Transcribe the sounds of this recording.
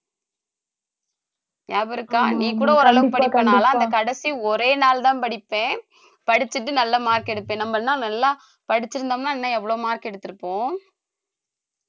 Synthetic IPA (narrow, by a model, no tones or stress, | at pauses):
jaːbɪɾɯkːaːnĩːkuːɽɐɔɾɯɐlɐʋɯpɐɽɪpːɐnaːlãːɐnd̪ɐkɐɽɐsiɔɾeːnaːlt̪ãːnpɐɽɪpːẽː | pɐɽɪt͡ʃːɯʈːɯnɐlːɐmaːɾkɛɽɯpːẽːnɐmːɐnãːnɐlːaː | pɐɽɪt͡ʃːɪɾɯnd̪aːmnaːɛnːɐ̃ɛʋːɐɭoːmaːɾkɐɛɽɯt̪ːɯɾɯpːõː